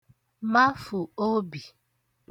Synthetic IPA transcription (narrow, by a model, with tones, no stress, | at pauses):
ma˦fu˨o˦bi˨